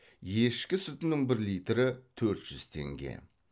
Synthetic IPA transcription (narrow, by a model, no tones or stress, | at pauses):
jeʃkʲɪsʊt̪ɪnɪŋbɪɾlijt̪ɾɪt̪ʰɵɾt̪ʒ̥ʏz̥t̪ʰe̞̰ŋɡʲe̞̰